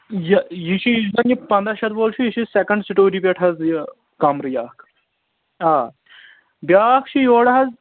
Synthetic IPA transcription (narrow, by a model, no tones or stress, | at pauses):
jɐjiʃʰijizɐnjipɐnd̪ɐʃɐt̪boːlt͡ʃʰujiʃʰisekɐɳɖsiʈoːɾipeʈʰɦɐzjɐ | kɐmɾɨjaːkʰ | aː | bjaːkʰt͡ʃʰijoːɽɐɦɐz